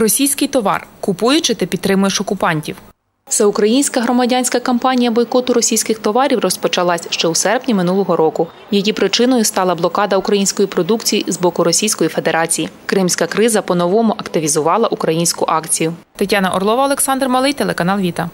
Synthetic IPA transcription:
rɔsʲijsʲkɪjt̪ɔʋɑ̰rkʊpujʊt͡ʃɪt̪ɪpʲid̪t̪ːɾɪmʊjeʃɔkʊpɑnʲtʲiw | sɛʊkɾɐjinʲsʲkɐɦɾɔmɐdʲanʲsʲkɐkɐmpɑnʲijɐbɔjkɔt̪ʊɾɔsʲijsʲkɪxt̪ɔʋɑɾʲiwrɔspɔt͡ʃɐlˠɑsʲʃt͡ʃɛwsɛrpnʲimɪnulˠɔɦɔɾɔkʊ | jɐjʲipɾɪt͡ʃɪnɔjʊst̪ɑlˠɐblˠɔkɑd̪ɐʊkɾɐjinʲsʲkɔjipɾɔd̪ukt͡sʲijizbɔkʊɾɔsʲijsʲkɔjife̞d̪eɾɑt͡sʲijikɾɪmsʲkɐkɾɪzɐpɔnɔʋɔmʊʔɐkt̪ɪʋʲizʊʋɑlˠɐʔukɾɐjinʲsʲkʊʔɑkt͡sʲijʊt̪ɐtʲːɑnɐʔɔrlˠɔʋɐɔlˠeksɑnd̪rmɔlˠɪjt̪elˠekɐnɑlˠʋʲit̪ɐ

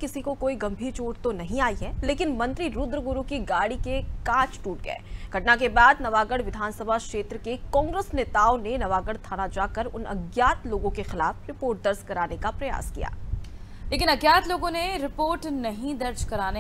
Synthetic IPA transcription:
kɪsikokoːiɡɐ̃mbʱiːɾt͡ʃoːɽt̪onɐɦĩaːiɦɛleːkɪnmɐ̃nt̪ɾiɾʊd̪ɾəɡʊɾukiɡaːɽikekãːt͡ʃʈuːʈ̚ɡɐ̰ḛːɡ̥ʱɐʈnak̬ebaːd̪nɐʋaːɡəɽ̤ʋɪd̪ʱaːnsɐbʱakʃeːt̪ɾəkekɔ̃ːŋɡɾesneːt̪aːonenɐʋaːɡəɽt̪ʰaːnad͡ʒaːkəɾʊ̰nɐ̰ɡjaːt̪loːɡõkexɪla̰ːfɾɪpoːɾʈ̚d̪ɐɾskɐɾaːnekapɾɐja̰ːskḭja̰ː | leːkɪnɐɡjaːt̪loːɡõneɾɪpoːɾʈnɐɦĩd̪ɐɾd͡ʒkɐɾaːne

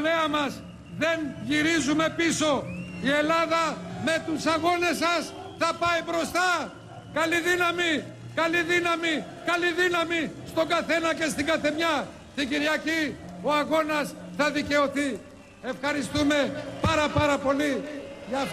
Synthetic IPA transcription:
leɐmɐs | ðe̞nʝiɾizume̞piso̞ie̞lɐðɐme̞t̪usɐɣo̞ne̞sɐs | θɐpɐibɾo̞st̪ɐ | kɐliðinɐmi | kɐliðinɐmi | kɐliðinɐmist̪o̞ɡɐθe̞nɐce̞st̪iɡɐθe̞mɲɐ | t̪iɟiɾʝɐcio̞ɐɣo̞nɐsθɐðice̞o̞θi | e̞fxɐɾist̪ume̞pɐɾɐpɐɾɐpo̞liʝɐf

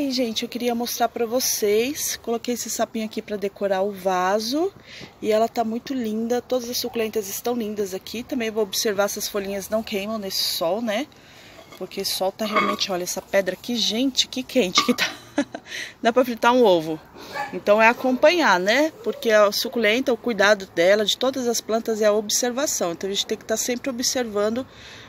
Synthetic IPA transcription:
aiʒẽnt͡ʃɪewkɪɾiɐmost̪ɾaɾpɾɐvosejskolokejesɪsapĩɲʊakipɾɐd̪ekoɾaʊvazʊɪɛlɐt̪amũj̃t̪ʊlĩnd̪ɐt̪od̪ɐzɐsukulẽnt̪ɐzɪst̪ɐ̃w̃lĩnd̪ɐzakʰit̪ɐ̃mbẽj̃voobɪseɾvaɛsɪɐsfolĩɲɐznɐ̃w̃kẽj̃mɐ̃w̃nesɪ̥sɔwnɛ | poɾkesɔwt̪aɦeawmẽnt͡ʃɪɔʎɐɛsɐpɛd̪ɾɐkɪʒẽnt͡ʃɪ̥kɪkʰẽnt͡ʃɪ̥kɪt̪a | d̪apɾɐfɾĩnt̪aɾũovʊẽnt̪ɐ̃w̃ɛakõmpɐ̃ɲanɛpoɾkeɐsukulẽnt̪ɐʊkujd̪ad̪ʊd̪ɛlɐd͡ʒɪt̪od̪ɐzɐsplɐ̃nt̪ɐzɛɐobɪseɾvasɐ̃w̃ẽnt̪ɐ̃w̃ʒẽt͡ʃɪt̪ẽkɪ̥t̪aɾsẽmpɾɪobɪseɾvɐ̃nd̪ʊ

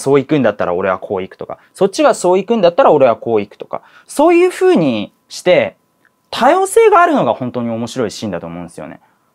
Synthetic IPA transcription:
so̞ːikɯ̃nd̪at̪ːaɾa̰o̞ɾe̞βa̰kʰo̞ːikɯ̟̥t̪o̞ka̰ | so̞t̚t͡ɕːiɡaso̞ːikɯ̟̃nd̪at̪ːaɾao̞ɾe̞βako̞ːikɯ̟̥t̪oka̰ | so̞ːjɯ̟ːɸɯːɲ̟i | ɕi̥t̪e̞ | t̪ʰajo̞ːse̞ːɡaːɾɯ̟no̞ɡahõ̞nt̪o̞ːɲ̟io̞mo̞ɕiɾo̞iɕĩnd̪at̪o̞ːmõ̞ːnsɨjo̞̰ne̞̰

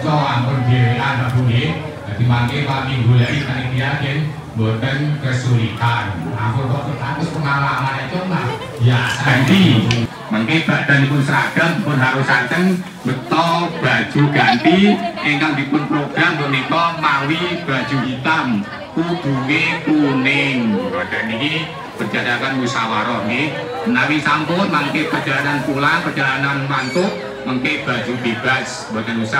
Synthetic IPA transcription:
t͡ʃɔwampʊnd͡ʒeɾekanbab̥ulɪ | d͡ʒad̪̥imaŋkewaŋiŋɡuladit̪anikiakɪŋ | mbont̪ənkəsuɾit̪ana̰mpʊnkɔkət̪ankʊspəŋalamanat͡ʃɔnah | jaant̪i | maŋkeb̥a̤d̪̥a̤nipʊnsɾaɡ̥a̤d̪ipʊnɦawusɾakəŋ | b̥ət̪ɔb̥a̤d̥ʒ̥uɡ̥a̤nt̪iʔeŋkaŋd̪ipʊnpɾoɡ̥ɾamt̪unikɔmawib̥a̤d̥d͡ʒ̥uɦit̪am | kud̥uŋekunɪŋb̥ad̪̥aniki | b̥ərd͡ʒadakanmusawaɾɔɡe | nawiŋsampʊnmaŋkepərd͡ʒalananpulapərd͡ʒalananmant̪ʊʔ | maŋkeb̥a̤̥d͡ʒ̥ub̪̥eb̥as | bad̥anusa

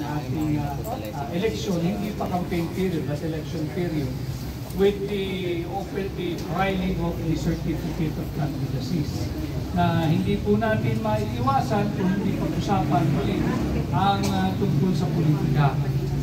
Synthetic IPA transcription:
ŋʔaːt̪ɪŋ | ʔɛlɛkʃonhɪnd̪ipɐkɐmpejnpiɾjʊd̪ɐt̪ɛlɛkʃonpiɾjʊd̪̚ | wɪd̪iʔofɛɹt̪ifɾajlɪŋovlisɛɹt̪ifɪkɛt̪ɔvkʰant̪ɾid̪ɐsis | nɐhɪnd̪ipʊnat̪ɪnmɐʔɪʔɪwaːsankʊŋhɪnd̪ipɐɡʔʊsaːpɐnwɐlɪʔʔɐŋat̪ʊŋkolsɐpʊliːt̪ɪkɐ

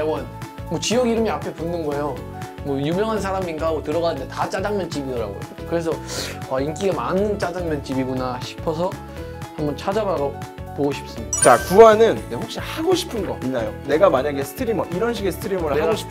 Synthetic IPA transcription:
ʌŋʌn | mwʌt͡ɕijʌɡiɾɯmiapʰe̞punːɯnɡʌejo | mwʌjumjʌŋɦansʰaɾaminkaɡotɯɾʌɣanɯnde̞tat͡ɕ͈ad͡ʑaŋmjʌnt͡ɕ͈ibidʌɾa̰ŋɡʌ̰ookɯɾe̞s̬ʰʌaink͈iɡamanɯt͡ɕ͈ad͡ʑaŋmjʌnt͡ɕ͈ibiɡunaɕʰi̥pʰʌs̬ʰʌ | hambʌnt͡ɕʰad͡ʑabaɾopoɡoɕʰi̥p̚s͈ɯmɲid̥at͡ɕakuanɯnːeɸok̚ɕ͈ihaɡoɕʰi̥pʰɯnɡʌ̰inːajone̞ɡamaɲaɡesʰɯ̥tʰɯɾimʌʔiɾʌnɕʰiɡe̞sʰɯ̥tʰɯɾimoɾaɡoɕʰi̥pʰ

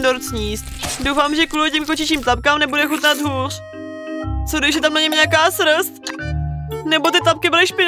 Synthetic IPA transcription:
doɾt͡sɲiːst̪dowfaːmʒɛkulocimkot͡ʃɪt͡ʃiːmt̪ap̚kaːmnɛbudɛxut̪nat̪ɦuːr̝̥ | t͡sodɪʒɛt̪amnaɲɪmɲɛakaːsɾst̪ | nɛbot̪ɪt̪ap̚kɪbɪlɪʃpɪn

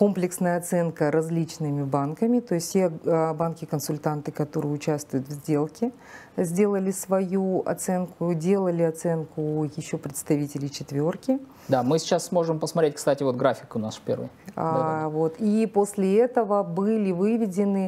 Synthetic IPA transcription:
ko̞mplʲɪksnəjəɐt̪sɛnkəɾɐzʲlʲit͡ɕnɨmʲɪbankəmʲɪt̪o̞ɪsʲtʲtʲebankʲɪkənsʊlʲt̪ant̪ɨkɐt̪o̞ɾɨjɪʊt͡ɕast̪vʊjʊt̪vzʲdʲe̞lˠkʲɪ | zʲdʲe̞lˠəlʲɪsvɐjuɐ̰t̪sɛnkʊdʲe̞lˠəlʲɪɐt̪sɛnkʊjɪɕːo̞pɾʲɪt̪st̪ɐvʲitʲɪlʲɪjt͡ɕɪt̪vʲo̞rkʲɪ | d̪amɨsʲɪ̥t͡ɕasːmo̞ʐɨmpəsmɐtɾʲet̚ʲkst̪atʲɪvo̞t̪̚ɡɾafʲɪkʊnaspʲḛrvɨ̰j | vo̞t̪ipo̞sʲlʲɪɛt̪əvəbɨlʲɪvɨvʲɪdʲɪnɨ

